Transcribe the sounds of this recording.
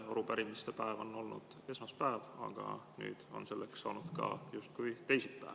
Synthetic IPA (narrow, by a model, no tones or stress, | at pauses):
ɑɾupæɾimist̪epæevo̞nːo̞lnṵd̪̥e̞smɑspæevɑ̰ɡ̥ɑ̰ny̰ːd̪̥o̞̰nse̞lːeksːɑ̰ːnud̪̥kɑ̰just̪̚kujt̪e̞jsit̪̚pæ̰e